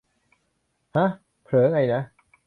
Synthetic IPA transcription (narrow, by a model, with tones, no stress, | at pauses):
ha˦˥ | pʰɾɤː˩˦ŋa˧jna˦˥